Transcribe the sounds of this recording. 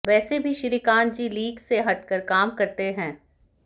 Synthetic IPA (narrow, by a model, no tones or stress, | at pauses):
ʋɛːsebʱiʃɪɾikaːnd͡ʒiliːɡseɦɐʈkəɾkaːmkɐɾt̪eɦɛ̃ː